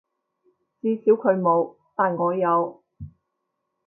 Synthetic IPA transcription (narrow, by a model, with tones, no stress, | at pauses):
t͡siː˧siː˨˥wkʰɵ˨˧ɥmo˨˧w | t̪aː˨nŋɔː˨˧jɐ˨˧w